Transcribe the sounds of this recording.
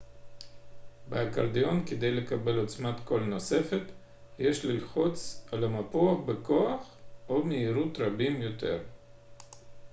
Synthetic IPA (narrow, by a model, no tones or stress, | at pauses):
beaka̰ɾd̪ijo̞nked̪ejlekabe̞lo̞t͡smat̪ko̞lno̞se̞fet̪ | jeʃlilχot͡salamapoaχbekoaχomeiɾut̪ɾabimjo̞t̪ʰe̞̰ɾ